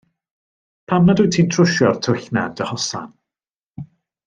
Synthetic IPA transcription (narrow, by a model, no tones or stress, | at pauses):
pʰamadujtʰiːntʰrʊʃjɔrtʰʊɬna̰d̥əhɔsa̰n